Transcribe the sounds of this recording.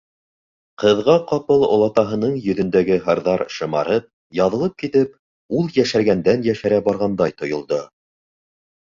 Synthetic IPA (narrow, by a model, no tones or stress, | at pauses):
qɤ̆ðʁɑqɑpɤlˠŏ̰lˠɑt̪ɑɦɤ̆nɤɴjɵ̆ðɵ̆nd̪æɡɘɦɤ̆ɾðɑɾʃɤ̆mɑ̰ɾɤp̚ | jɑðɤ̆lˠɤp̚kit̪ɘp̚ | ulˠjæʃæɾɡænd̪ænjæʃæɾæbɑɾʁɑnd̪ɑjt̪ŏjŏlˠd̪o